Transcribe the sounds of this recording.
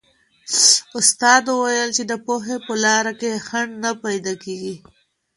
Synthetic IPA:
ʊst̪ɑd̪uwajəlt͡ʃed̪əpoɦepəlɑɾakexaɳɖnapajd̪ɑkeɡi

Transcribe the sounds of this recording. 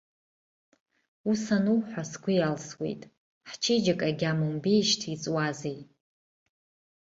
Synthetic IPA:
usanuwħʷᶣasɡʷʊjalswe̞̰jtʼ | ħt͡ʃʰed͡ʒakʼaɡʲamunbejʃtʰit͡sʼwazej

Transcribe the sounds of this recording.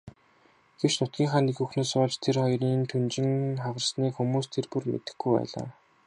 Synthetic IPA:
ɡ̥ewt͡ɕnʊt̪ɡʲiːŋχaːnixɵxnoːsʊːɮt͡ɕt̪ʰerχɔjriːnt̪ʰunt͡ɕɪ̆ŋχawə̆rsniːkxumuːst̪ʰerpurmḛt̪ɘ̆xɡujpæ̰ːɮa̰ː

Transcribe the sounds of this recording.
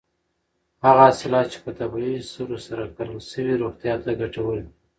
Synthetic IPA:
haɣasɪlɑt͡ʃe̥pət̪abaisuɾosaɾakaɾalsəwiɾoɣt̪jɑt̪aɡaʈawəl

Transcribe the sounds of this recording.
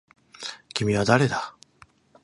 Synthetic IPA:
kimiad̪aɾeda

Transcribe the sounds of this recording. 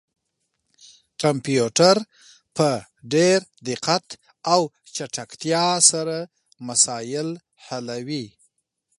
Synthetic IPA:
kampjuʈaɾ | pə | ɖeɾd̪ɪqat̪ | aw | t͡ʃaʈakt̪jɑsaɾa | masɑjɪl | halawi

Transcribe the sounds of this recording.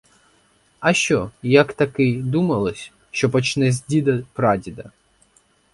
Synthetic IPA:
ɐʃt͡ʃɔjɐkt̪ɐkɪd̪umɐlˠɔsʲ | ʃt͡ʃɔpɔt͡ʃnɛzʲdʲid̪ɐpɾɑdʲid̪ɐ

